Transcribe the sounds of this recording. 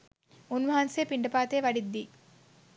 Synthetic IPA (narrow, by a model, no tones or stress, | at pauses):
unʋɐɦɐnseːpiɳɖɐpaːt̪eːʋɐɽid̪ːi